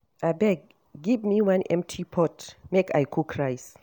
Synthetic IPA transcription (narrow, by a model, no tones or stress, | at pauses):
ʔajbɛɡ̚ː | ivmiwãnʔɛ̰̃mtʰipʰɔtmeka̰jkʰukʰɹajs